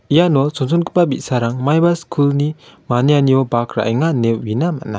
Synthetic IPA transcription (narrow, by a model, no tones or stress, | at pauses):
ijanɔsɔŋsɔnkɯ̥pabit̚saɾaŋmajbaskʰulnimanijanijɔbakɾa̰ʔjŋanep̚winama̰ʔna